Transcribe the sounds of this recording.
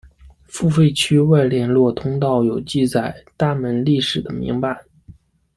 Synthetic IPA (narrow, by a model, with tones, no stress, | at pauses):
fu˥˧fe˥˧ɪt͡ɕʰy˥wa˥˧ɪljɛ˥˧nlwɔ˥˩t̪ʰʊ˥ŋt̪ɑ˥˩ʊjo˨˩ʊt͡ɕi˥˧t͡sa˨˩ɪt̪a˥˩mə˧˥nli˥˩ʂɻ̩˨˩d̪ə˦mḭ˧˥ŋpa˧ɪ